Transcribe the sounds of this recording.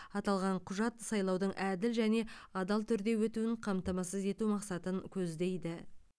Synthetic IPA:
ɑt̪ɑlˠʁɑɴqʰʊʒɑt̪sɑjlˠɑwd̪əɴʔæd̪ɪlʒæne̞ɑd̪ɑlˠt̪ʰʏɾd̪e̞wɵt̪uɪɴqʰɑmt̪ɑmɑsəze̞t̪umɑqsɑt̪əŋkʲʰɵzd̪e̞jd̪ɪ

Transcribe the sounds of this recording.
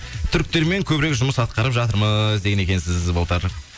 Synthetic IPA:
t̪ʰʏɾk̚t̪e̞ɾme̞ŋkʲʰɵbɪɾekʒʊməsɑt̪̚qɑɾəpʒɑt̪əɾməzd̪e̞ɡʲene̞kʲe̞nsɪzbolˠt̪əɾ

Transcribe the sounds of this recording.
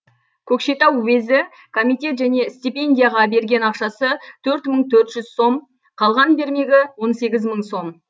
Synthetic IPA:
kʲʰɵkʃe̞t̪ɑwwezɪ | kʰomijt̪ʲe̞t̪ʒæne̞st̪ʲipʲe̞nd̪ʲijaʁɑbe̞ɾɡʲe̞nɑqʃɑsət̪ʰɵɾt̪məɴt̪ʰɵɾt̪ʒ̥ʏzso̞m | qʰɑlˠʁɑnbe̞ɾme̞ɡʲɪwo̞nse̞ɡʲɪzməɴso̞m

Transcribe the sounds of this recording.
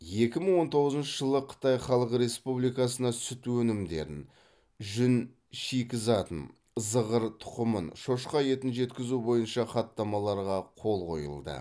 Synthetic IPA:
je̞kʲɪməɴwo̞nt̪ʰo̞ʁəzənʃəʒəlˠəqʰə̥t̪ɑjχɑlˠəqɾe̞spublijkɑsənɑsʏt̪wɵnɪmd̪e̞̰ɾɪ̰n | ʒʏn | ʃikʲɪzɑt̪ən | əzəʁəɾt̪ʰʊ̥qəmə̰nʃo̞ʃqɑje̞t̪ɪnʒe̞t̪kʲɪzubo̞jənʃɑχɑt̪ːɑmɑlˠɑɾʁɑqʰo̞lˠqʰo̞̰jə̰lˠd̪ə̰

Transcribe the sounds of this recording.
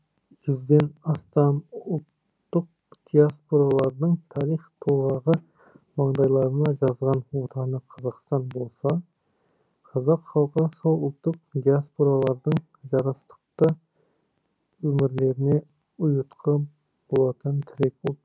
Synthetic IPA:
ʒ̥yzd̪enɑst̪ɑnʊlt̪ː | ʊq̚ | d̪̥ijaspoɾɑlˠɑɾnɨŋt̪ʰɑɾiχt̪ʰolˠʁɑʁə | mɑŋd̪ɑjlˠɑɾɨnɑʒɑzʁɑnwot̪ʰɑnɨqʰɑzɑqst̪ɑnbolˠsɑ | qʰɑzɑqχɑlˠqʰəsolˠʊlˠt̪ʰːʊq̚d̪ijaspoɾɑlˠɑɾnɨŋ | ʒɑɾɑst̪ə̥q̚t̪ɑ | ømɪɾleɾɪnɪ | ʊjut̪qʰɑ | b̥olˠɑt̪ʰɨnt̪ʰɪɾek̚ʲu

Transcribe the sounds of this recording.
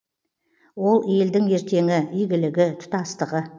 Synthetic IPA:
wo̞lˠje̞ld̪ɪŋe̞ɾt̪ʰe̞ŋɪʏjɡʲɪlɪɡʲɪt̪ʰʊ̥t̪ɑst̪əʁə

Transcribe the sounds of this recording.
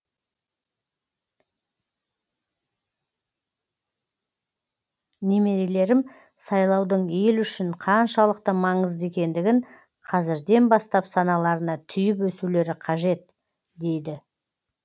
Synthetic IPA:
ne̞me̞ɾele̞ɾɪm | sɑjlˠɑwd̪əɴelʏʃɪɴqʰɑnʃɑlˠəq̚t̪əmɑɴəzd̪e̞kʲe̞nd̪ɪɡʲɪɴ | qʰɑzɪɾd̪e̞nbɑst̪ɑpsɑnɑlˠɑɾənɑt̪ʰʏjɪp̬wɵsule̞ɾɪqʰɑʒe̞t̪ | d̪e̞jd̪ɪ

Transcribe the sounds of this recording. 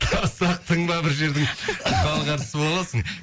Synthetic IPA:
ɑsɑq̚t̪ʰəɴbɑbɪɾʒe̞ɾd̪ɪŋqɑlˠʁɑɾə̥səbolˠɑsəɴ

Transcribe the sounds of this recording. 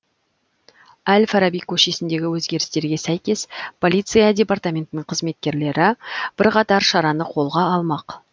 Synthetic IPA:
ælʲfɑɾabijkʰɵʃe̞sɪnd̪e̞ɡʲɪwɵzɡʲe̞ɾɪ̥st̪e̞ɾɡʲe̞sæjkʲe̞spʰo̞lʲˠijt̪sɨjadʲe̞part̪amʲe̞nt̪ɪnəɴqʰəzme̞t̪̚kʲe̞ɾle̞ɾɪb̥ɪɾqɑt̪ɑɾʃɑɾɑnəqʰo̞lˠʁɑːlˠmɑq

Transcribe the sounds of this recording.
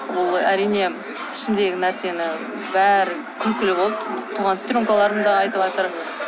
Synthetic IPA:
bʊlˠæɾijne̞ | ɪ̥ʃɪmd̪e̞ɡʲɪnæɾse̞nɪ | bæɾɪ | kʲʰʏlkʲɪlɪbolˠd̪bɪt̪ʰuʁɑnst̪ɾoŋkalˠɑɾəd̪ɑɑjt̪əpɑt̪əɾ

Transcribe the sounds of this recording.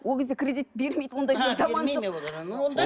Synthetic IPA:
wolˠɡʲezd̪ekʰʲɾʲe̞d̪it̪be̞ɾme̞jd̪əwo̞nd̪ɑjʒɑzɑmɑnʃə

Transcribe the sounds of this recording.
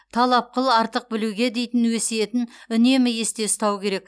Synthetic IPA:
t̪ʰɑlˠɑp̚qəlˠɑɾt̪əq̚bɪluɡʲe̞d̪e̞jt̪ɪnweseje̞t̪ɪnʏne̞mɪje̞st̪e̞st̪ɑwkʲe̞ɾe̞k

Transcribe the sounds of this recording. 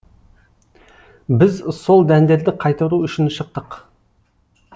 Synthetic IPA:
bɪzso̞lˠd̪ænd̪e̞ɾd̪ɪqʰɑjt̪ɑɾuʏʃɪnʃəq̚t̪əq

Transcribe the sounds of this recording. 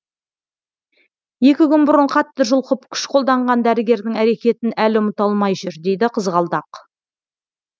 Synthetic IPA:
je̞kʲɪkʲʏnbʊɾəɴqʰɑt̪ːəʒʊlˠqəpkʲʰʏ̥ʃqʰo̞lˠd̪ɑɴʁɑnd̪æɾɪɡʲe̞ɾd̪ɪŋæɾe̞kʲe̞t̪ɪnælɪʊmət̪ɑlˠmɑjʒʏɾd̪e̞jd̪ɪqʰəzʁɑlˠd̪ɑq

